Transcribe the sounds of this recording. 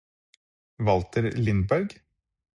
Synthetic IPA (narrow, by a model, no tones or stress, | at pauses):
ʋɑlt̪ʰəɾlɪnbæɾɡ